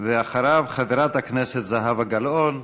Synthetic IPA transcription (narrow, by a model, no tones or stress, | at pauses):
veaχaɾavχaveɾat̪hakneset̪zaɦavaɡalʔon